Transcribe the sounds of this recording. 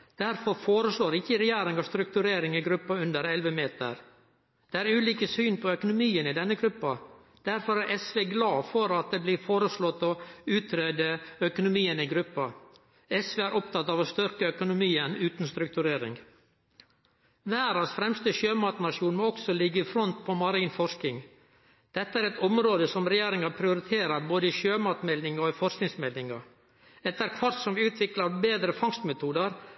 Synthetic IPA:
d̪̥æɾfɔɾfoːɾəsloːɾɪçːəɾɛjæːɾɪŋɑʋst̪ɾʉk̚t̪ʉɾeːɾɪŋɪɡɾʉpːɑʉnd̪əɾɛlʋəmeːt̪ə̰ɾ | d̪̥ɛːæːɾʉːliːkəsyːnpʰɔœkʊnʊmiːənɪd̪ɛnːəɡɾʉpːɑ | d̪̥æɾfɔɾæɾʔɛsʋeːɡlɑːfɔɾɑt̪̚d̪eːblɪːɾfoːɾəslɔt̪ːɔʉːt̪ʰɾeːd̪əœkʊnʊmiːənɪɡɾʉpːɑ | ɛsʋeːæɾʔɔp̚t̪ʰɑt̪ːɑːʋɔst̪ʏɾkəœkʊnʊmiːənʉːt̪n̩st̪ɾʉk̚t̪ʉɾeːɾɪ̰ŋ | ʋæːɾɑsfɾɛmst̪əʃøːmɑːt̪nɑʂuːnmɔɔksɔlɪɡːəɪfɾɔnt̪̚pʰɔmɑɾiːnfɔʂkɪŋ | d̪̥ɛt̪ːəæːɾɛt̪ɔmɾoːd̪əsɔmɾɛjeːɾɪŋɑpʰɾɪʊɾɪt̪ʰeːɾəɾboːd̪əɪʃøːmɑːt̪mɛld̪ɪŋɑɪfɔʂknɪŋsmɛld̪ɪŋɑɾ | ɛt̪ːəæɾkʰʋɑɾt̪sɔmʋʉːt̪ʰʋɪklɑɾbeːd̪ɾəfɑŋst̪mɛt̪ʰuːd̪əɾ

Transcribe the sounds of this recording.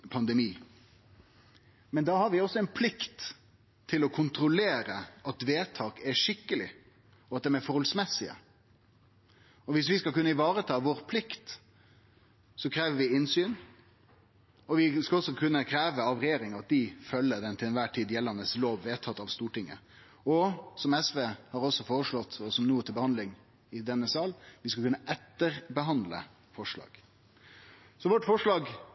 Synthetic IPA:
pʰɑnd̪ɛmiː | mɛnd̪ɑːhɑɾʋɪɔsːɔɛnpʰlɪkt̪ʰː | ɪlɔkʰʊnt̪ɾʊleːɾəɑt̪ʋeːt̪ʰɑːkɛʂɪkːəlɪ̰ | ɔɑt̪̚d̪ɛnæɾfɔɾhɔlsmɛsɪə̰ | ɔʋɪsʋɪskɑlkʉnːəɪʋɑːɾət̪ʰɑːʋoːɾpʰlɪkt̪ | sɔkʰɾeːʋəɾʋɪɪnsyːn | ɔʋɪskɑɔsːɔkʰʉnːəkʰɾæːʋəɑʋɾɛjeːɾɪŋɑt̪̚d̪ɪfœlːəd̪ɛnt̪ʰɪlɛnʋæːʈʰiːd̪jɛlːɑnəsloːʋʋeːt̪ʰɑt̪ːɑʋst̪uːʈɪŋːə̰ | ɔsɔmɛsʋeːhɑːɾɔsːɔfoːɾəʂɭɔt̪ːɔsɔmnuːt̪ʰɪlbəhɑnd̪lɪŋ | ɪd̪ɛnːəsɑːlʋɪskɑkʉnːəʔɛt̪ːəɾbəɦɑnd̪lə̰ | fɔʂɭɑ̰ːɡ̥ | sɔʋɔʈːfɔʂɭɑːɡ

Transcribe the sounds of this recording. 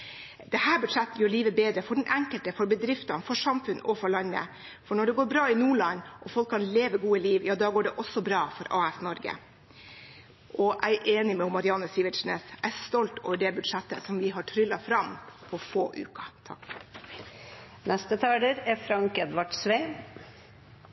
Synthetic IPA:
d̪ɛhæːɾbʉd̪ʂɛt̪ːəjøːɭiːʋəbeːd̪ɾəfɔɖɛnʔæŋkəlt̪əfɔɾbəd̪ɾɪft̪ɑnfɔʂɑmfʉnɔfɔɭɑnːə̰ | fɔɳɔɖɛɡoːɾbɾɑːɪnuːɭɑnːʔɔfɔlkʰːɑnleːʋəɡuːəliːʋjɑːd̪ɑːɡoːɖɛʔɔsːɔbɾɑːfɔɾʔɑːæsnɔɾɡə̰ | ʔʔɔʔæɪʔeːnɪmɛʊmːɑɾɪɑnəsiːʋɪʂnɛ̰sæɪst̪ɔlt̪ɔ̰ːʋəɖɛbʉd̪ʂɛt̪ːə̰sɔmʋɪɦɑʈʰɾʏlːɑfɾɑmpʰɔfoːʔʉ̰ːkɑ̥t̪ʰɑ̰k | nɛst̪ət̪ʰɑːɖəɾæfɾɑŋkɛd̪ʋɑʈsʋeːm

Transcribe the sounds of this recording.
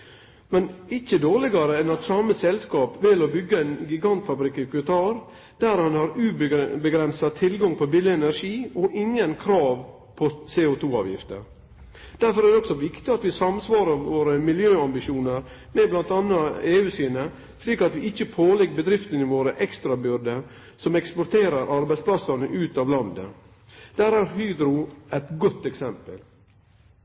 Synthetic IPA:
mɛnɪçəd̪oːɾɭɪɡɑɾəɛnɑt̪sɑməsɛlskɑːpʋɪlɔbʏɡːəæɪnɡɪɡɑnt̪fɑbɾɪkːɪkʰʋɛt̪ʰɑːɾ | d̪æɾhɑnhɑɾʉːbbəɡɾɛnsɑt̪ʰɪlɡɑŋpʰɔbɪlɪɛnæɾʂiːɔʔɪŋːənkʰɾɑːʋ | pʰɔseːʊt̪ʰuːɑ̰ːʋjɪ̰ft̪ə̰ɾ | d̪̥æɾfɔɾæɾd̪ɛɔksɔʋɪkt̪ɪɑt̪ʋɪsɑmsʋɑːɾəɾʋoːɾəmɪljøːɑmbɪʃuːnəɾ | mɛblɑnt̪ɑnːɑeːʉːsiːnə | sliːkɑt̪ʋɪɪçːəpʰoːlɛɡbəd̪ɾɪft̪ənɪʋoːɾəʔɛkst̪ɾɑbʏɾd̪ə | sɔmɛkspɔɾt̪ʰeːɾəɾʔɑɾbæɪspʰlɑsɑnəʔʉːt̪ɑːʋlɑnd̪ə̰ | d̪̥æːɾæɾhyːd̪ɾʊæt̪ɡɔt̪ːɛksɛmpəl

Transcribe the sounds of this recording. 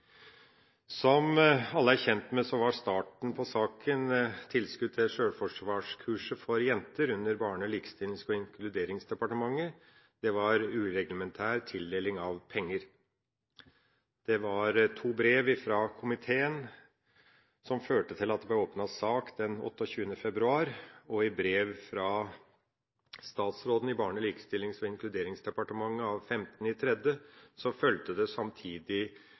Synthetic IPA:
sɔmɑlːəæɾçɛnt̪mɛsɔʋɑɾst̪ɑːʈɳ̩pʰɔsɑːkʰənt̪ʰɪlskʉd̪̚ɛʂøːɽfɔʂʋɑːʂkʰʉːʂəfɔɾjɛnt̪əɾʉnːəɾbɑːɳəliːkə̥st̪ɪlskɔɪŋkʰlʉd̪eːɾɪŋsd̪ɛpɑʈəmɑŋːə | d̪̥ɛʋɑɾʉːɾɛɡləmɛnt̪ʰæːɾt̪ʰɪld̪eːlɪŋɑʋpʰɛŋːəɾ | d̪̥ɛʋɑɾt̪ʰuːbɾeːʋɪfɾɑkʰʊmɪt̪ʰeːən | sɔmføːʈət̪ʰɪlɑt̪̚d̪ɛb̪ɛoːpnɑsɑːkd̪̥ɛnɔ̰t̪ːɔɕʉːənəfɛbɾʉɑːɾɔɪbɾeːʋfɾɑ | st̪ɑːt̪sɾoːd̪n̩ɪbɑːɳəliːkə̥st̪ɪlːɪŋsɔɪŋklʉd̪eːɾɪŋsd̪ɛpɑʈəmɑŋːəɑʋfɛmt̪ənɪt̪ʰɾɛd̪əsɔfœlt̪əd̪ɛsɑmt̪ʰiːd̪ɪ

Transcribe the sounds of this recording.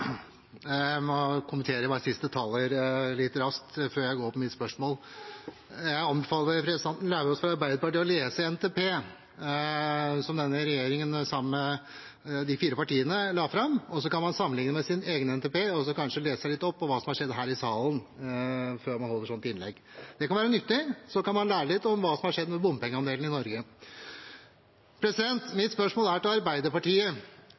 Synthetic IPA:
mɔkʰʊmənt̪ʰeːɾəjbɑːɾəsɪst̪ət̪ʰɑlːəɾlɪt̪ːɾɑst̪føːɾjæɪɡoːɾpʰɔmɪt̪spœʂmoːl | jæɪɑmbəfɑːləʋəpʰɾɛsɪd̪ɛnt̪n̩læːʋəɾɔsfɾɑɑɾbæɪd̪əpɑʈ̪ɪɔleːsəɛnt̪ʰɛːpʰeː | sɔmd̪ɛnːəɾɛjeːɾɪŋənsɑmːə | d̪ɪfiːɾəpɑʈiːənəlɑːfɾɑmɔs̬ɔkɑnmɑnsɑmːənlɪŋnəmɛsɪneːɡənɛnt̪epeːɔs̬ɔkɑnʂəleːssæɪlɪt̪ːɔpːɔʋɑːsɔmhɑʂɛd̪ːɦæːɾɪsɑːlən | føːɾmɑnhɔlːəʂɔnt̪ɪnlɛ̰ɡ | d̪ɛkɑnʋæːɾənʏt̪ːɪsɔkɑnmɑnlæːɾəlɪt̪ːɔmʋɑːsɔmhɑʂɛd̪ːmɛbʊmːpʰɛŋːəɑnd̪eːln̩ɪnɔɾɡə | pʰɾɛsɪd̪ɛnt̪mɪt̪spœʂmoːlæʈɪɑɾbæɪd̪əɾpɑʈiːə

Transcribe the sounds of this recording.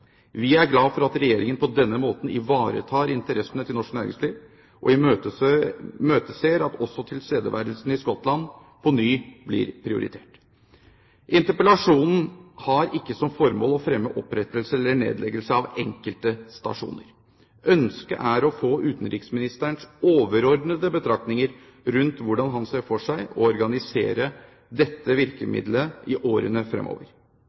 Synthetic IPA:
ʋɪæɾɡlɑːfɔɾɑt̪ɾɛjeːɾɪŋənpʰɔd̪ɛnːəmoːt̪n̩ɪʋɑːɾə̰t̪ʰɑːɾɪnt̪əɾɛsənət̪ʰɪlnɔʂknæːɾɪ̰ŋsliːʋ | ʔɔ̰ɪə | møːt̪əseːɾɑt̪ɔsːɔt̪ʰɪlst̪eːd̪əʋæ̰ɾd̪lsn̩ɪskɔt̪lɑn | pʰɔnyːblɪ̰ɾpʰɾɪʊ̰ɾʔɪ̰t̪ʰḛːʈ | ʔɪnt̪əpəlɑʂuːnn̩hɑɾɪkːəsɔmfɔɾmo̰ːlɔfɾɛmːəʔɔpɾɛt̪ːəlsəɛlːəɳḛːd̪lɛɡəlsəɑʋɛŋkəlt̪əst̪ɑ̰ʂṵːnəɾ | ʔœnskə̰ʔæɾɔfoːʔʉːt̪n̩ɾiːksmɪnɪst̪æɳsoːʋəɾɔɾɖnəd̪əbət̪ʰɾɑk̚t̪nɪŋəɾ | ɾʉnt̪ʋʊɖɑnɦɑnseːfɔʂæɪɔ̰ɔɾɡɑnɪsḛːɾə | d̪ɛt̪ːəʋɪɾkəmɪ̰d̪ləɪʔoːɾə̰nəfɾɛ̰mʔo̰ːʋəɾ

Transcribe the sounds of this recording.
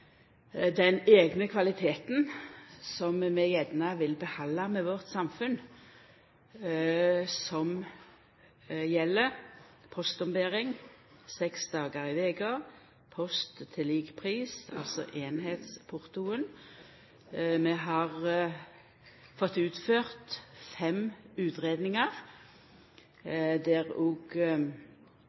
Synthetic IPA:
d̪ɛneːɡnəkʰʋɑlɪt̪ʰeːt̪nsɔmmɛjɛd̪nɑʋɪlbəhɑlːɑmɛʋɔʁt̪sɑmfʉn | sɔm | jɛlːəʁpʰɔst̪ɔmbeːʁɪŋsɛksd̪ɑːɡəʁɪʋeːɡɑː | pʰɔst̪ʰːɪliːɡpʰʁiːsɑ̰lsɔ̰ʔeːnheːt̪spʰʊʁt̪uən | mɛɦɑʁ | fɔt̪ːʉːt̪føːʁt̪fɛmʉːt̪ʁeːd̪nɪŋəʁ | d̪ɛʁoːɡ

